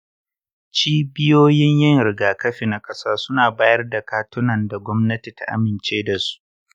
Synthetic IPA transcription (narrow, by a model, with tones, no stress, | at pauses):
t͡ʃiː˦bɪ˦joː˦jɪ˦ɲjɪ˦ŋɾɪ˨ɡaː˨kɐ˦ɸi˨na˦kʼɐ˦saː˦sʊ˦naː˨baː˦jɐ˦rda˨kaː˦tʊ˦nɐ˨nda˨ɡʷɔ˦mnɐ˦ti˨ta̰˦ʔa̰˦mɪ˨nt͡ʃeː˦da˨su̥˦ʔ